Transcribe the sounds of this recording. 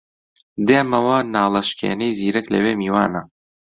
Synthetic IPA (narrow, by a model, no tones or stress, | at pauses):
d̪eːmɐwɐnaːlɐʃkḛːnejziːɾɛklɐ̰weːmiːwaːnɐ